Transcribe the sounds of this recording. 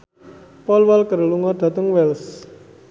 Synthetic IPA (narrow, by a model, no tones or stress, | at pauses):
pɔlwalkəɾluŋɔɖ̪̥a̤t̪ʊŋwɛls